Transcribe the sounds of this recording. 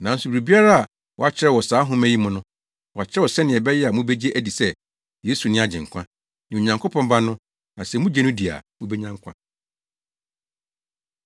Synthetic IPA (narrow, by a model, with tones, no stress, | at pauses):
nã˨n̩˦su˨bɾi˨bi˦a˦ɾa˦a˨ | wɔ̰˨a˨t͡ɕʰɪ˦ɛ˦˨wɔ˨saː˨˦ɦʊ̃˦mæ̃˦ji˦mʊ̃˦nʊ̃˦ | wɔ˨a˨t͡ɕʰɪ˦ɾɛ˦wɔ˨sɛ˦nɪ̃˨ɛ˨bɛ˦jɛ˦a˨mʊ̃˦bɛ˦d͡ʑi˦e˦ʔæ˦di˨sɛ˦ | jeː˨˦su˨nɪ̃˦a˨d͡ʑɪ̃˨ŋ̩˨kʷʰã˦ | nɪ̃˨o˨ɲã˨ŋkʰo˦pʰɔ̃˦mbã˦nʊ̃˦ | nã˨sɛ˨mʊ̃˦d͡ʑɛ˦nʊ̃˦di˨a̰˨mʊ̃˦bɛ˦ɲã˦ŋkʷʰã̰˦